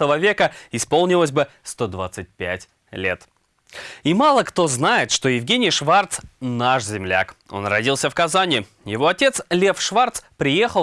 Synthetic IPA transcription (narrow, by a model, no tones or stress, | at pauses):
t̪əvəvʲe̞kəɪspo̞lˠnʲɪlˠəsʲbɨst̪o̞d̪vat̪sɨt̚ʲpʲæ̰tʲ | lʲe̞̰t̪ | imalˠəkt̪o̞znajɪt̪ʂt̪o̞jɪvɡʲenʲɪjʂvart̪snaʂzʲɪmlʲa̰ko̞̰nrɐdʲilˠsʲəfkɐzanʲɪ | jɪvo̞ɐtʲe̞t̪slʲe̞fʂvart̪spɾʲɪje̞xəlˠ